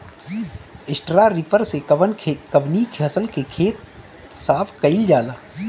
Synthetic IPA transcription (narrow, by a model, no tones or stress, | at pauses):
ɪsʈɾaɾipəɾseʋənkəʋnikeɦɐsəlkekʰeːt̪̚ | saːpʰkɐid͡ʒaːlaː